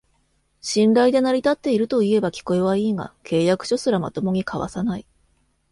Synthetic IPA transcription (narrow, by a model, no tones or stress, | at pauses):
ɕĩnɾaid̪e̞naɾʲit̪at̪ːe̞iɾɯ̟t̪o̞ie̞bakʲi̥ko̞eβaiːŋa̰kʰe̞ːjakɯ̟̥ɕo̞sɨɾama̰t̪o̞mo̞ɲ̟ikʰaβa̰sanai